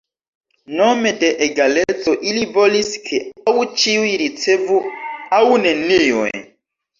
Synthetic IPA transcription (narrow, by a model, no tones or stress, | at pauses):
nɔmɛdɛʔɛɡalɛt͡sɔʔilivoliskʰeaut͡ʃiwiɾit͡sevuaunɛnijɔɛ̰